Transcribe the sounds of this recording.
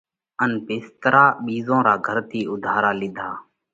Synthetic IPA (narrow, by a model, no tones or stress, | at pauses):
ənpɪːst̪ɾaːɓiːzõːɾaːɡʱəɾt̪ʰiːʊd̪ʱaːɾaːlɪ̃d̪ʱaː